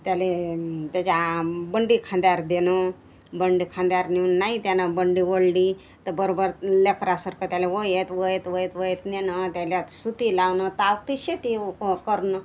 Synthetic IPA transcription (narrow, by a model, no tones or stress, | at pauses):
t̪jalet̪jat͡ɕabəɳɖikʰãnd̪jaɾd̪enə | bəɳɖikʰãnd̪jaɾniʋnnait̪janabəɳɖiʋəɽliː | t̪əbəɾobəɾlekɾasəɾkət̪jaleʋojet̪ʋəjet̪ʋəjet̪ʋəjet̪nenət̪jaljat̪sut̪ilaʋnət̪aʋkt̪iɕet̪ikəɾnə